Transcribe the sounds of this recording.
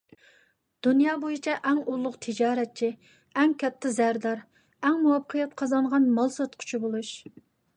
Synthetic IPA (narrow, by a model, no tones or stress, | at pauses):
d̪̥unjɑːbojit͡ʃʰɛʔɛŋulˠːʊqt̪ʰɪd͡ʒɑːɾɛt̪̚t͡ʃʰi | ɛŋkʲʰɛt̪ʰːɪzæɾd̪ɑɾ | ɛŋmuwɑpːqʰəjɛt̪qʰɑzɑɴʁɑnmɑlˠsɑt̪qʰʊ̥t͡ʃʰibolˠuʃ